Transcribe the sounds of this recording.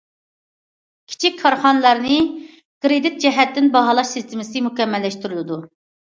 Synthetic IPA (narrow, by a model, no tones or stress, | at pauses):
kʲʰi̥t͡ʃʰikʲkʰːɑɾχɑnɨlˠɑɾnɪ | kʰɾed̪it̪̚d͡ʒɛɦɛt̪ːɪnbɑɦɑlˠɑʃsɨst̪ʰɪmɪsɨmukʲɛmːɛlːɛʃt̪yɾylˠɪd̪u